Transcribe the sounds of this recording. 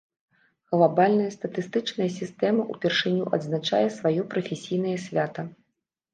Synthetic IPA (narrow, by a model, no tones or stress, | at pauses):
ɣlˠabalʲnɐjɐst̪ɐt̪ɨst̪ɨt͡ʂnɐjɐsʲist̪ɛmɐʔupʲɛrʂɨnʲuʔɐd̪znat͡ʂa̰jɛsvajɔpɾɐfʲɛsʲijn̪ɐjɐsʲvʲat̪ɐ